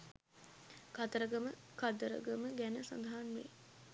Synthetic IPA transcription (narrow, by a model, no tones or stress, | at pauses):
kat̪əɾəɡəməkad̪əɾə̰ɡəməɡænəsa̰nd̪ɐɦanʋḛ